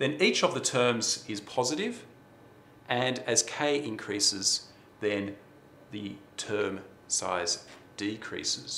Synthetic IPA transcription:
ðɨ̃nit͡ʃʌvðɨtʰɜ̃˞mzɪz̥pʰɑzɨɾɪv | ʔɨ̃nɨz̥kʰeɪʔɪ̃nkʰɹ̥isɪz | ðɨ̃n | ðɨtʰɜ̃˞m | sa̰ɪzd̥ikʰɹ̥ḭsɪz̥

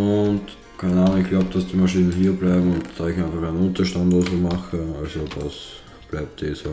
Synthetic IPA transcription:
ʊnt | kʰaɪnaːnʊŋɪçɡ̥laʊb̚d̥ɑsd̥iːmaʃiːnənhiːɐblæɪbm̩ʊntd̥aːɪçæɪnfɑχæɪnʊntɐʃtandosomaxəalsoda̰s | b̥læɪp̚tiso

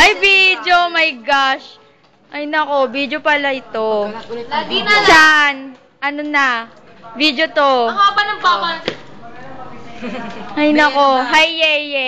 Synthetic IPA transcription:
ʔɐjvid̪jomɐjɡaʃ | ʔɐjnɐkobid̪jopɐlaʔɪt̪o̞ | t͡ʃan | ʔɐnonɐ | vid̪jot̪oabɐnɐŋpawɐ | hɐjnɐko̞ɦajːɛjɛ

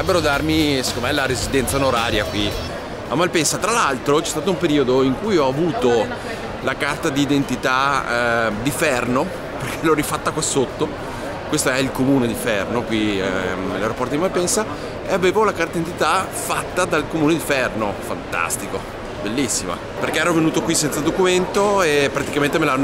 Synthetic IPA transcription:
ɾɛbːeɾod̪armise̥kːomemɛlaɾezid̪ɛnt̪saonoɾaːɾjakwi | amːalpɛnsat̪ɾalalt̪ɾot͡ʃɛst̪aːt̪oumpeɾiːod̪oiŋkujɔavuːt̪o | lakart̪ad̪iːd̪ent̪it̪a | d̪ifɛrno | perkʰelɔrifat̪ːakwasot̪ːo | kwest̪oɛilkomuːned̪ifɛrnokwi | elajɾopɔrɾt̪od̪imalpɛnsa | eaveːvolakart̪ad̪ient̪it̪a | fat̪ːad̪alkomuːned̪ifɛrnofa̰nt̪a̰st̪iko | belːisːima̰ | perkeɛɾovenuːt̪okwisːɛnt̪sad̪okument̪oepːɾat̪ikament̪emelaanː

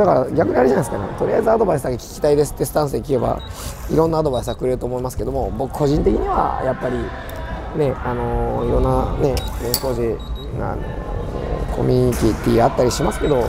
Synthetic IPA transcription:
d̥̪akaɾaɡʲakɯ̟ɲ̟iaɾɯʑanaisɨ̥kane̞̰t̪o̞ɾʲiaizɨad̪o̞baisɨd̪akekʲi̥kʲi̥t̪aid̪e̞sɨ̥t̪ːesɨ̥t̪ãɰ̃s̬ɨd̪ekʲieba̰iɾõ̞nːaːd̪oais̬ɨɡakɯ̟ɾe̞ɾɯ̟t̪oːmo̞imasɨ̥ke̞d̪o̞mobo̞kɯ̟̥ko̞ʑĩnt̪̬e̞kʲiɲ̟iβa̰japːaɾʲi | ne̞ano̞iɾõ̞nːane̞b̪ẽŋko̞ːʑe | a̰no̞̰ | kʰo̞̰mʲiɲ̟it̪ʲit̪ːiat̪ːaɾʲiɕimasɨ̥ke̞d̪o̞

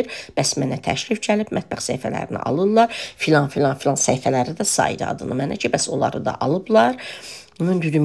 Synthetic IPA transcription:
ɾb̥æsmænæt̪ʰæ̰ʃɾifcʰælib̥mæt̪̚bæχsæjfæ̰læ̰ɾinḭʔɑ̰lˠɯlːˠɑɾfilˠɑnfilʲˠɑnfilˠɑnsæjfælæɾid̪æsɑ̰jḭd̪ɑ̰d̪ɯ̰nɯ̰mænæ̰cʰibæso̞lˠɑɾɯd̪ɑ̰ʔɑlˠɯblˠɑɾ | nɯnd̪yd̪ym

